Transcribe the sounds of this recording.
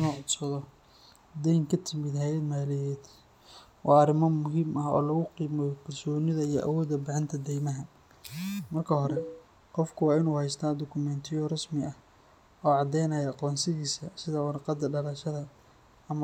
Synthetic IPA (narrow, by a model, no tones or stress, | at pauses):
ɪnɔːʕɔd̪sɐðɔ | d̪ɛjŋkʰɐt̪ʰɪmɪd̪ɦɛjɐd̪maːlɪjɛːd̪ | wʔɑːɑrɪmɐmʊɦiːmɐɦɔ̰ːlɐɣʊqiːmɔkʰɐrsɔːnɪðɐijɞ̰ʔɐ̰wɔːd̪ɐbɪʕɪnt̪ʰɐd̪ɛjmɐɦɐ | mɐrkʰɐɦɔɾɛ | qɔfkʰʊwɑːɪnuːhɛjst̪ʰad̪ɔkʰʊmɛnt̪ʰɪjɔrɐsmɪɐh | ɔːʕɑd̪ɛjnɐjɐɑqɔːnsɪɣiːsɐsɪðɐwɑrqɑd̪ɐɖɐlɐʃɐðɐ | ɐm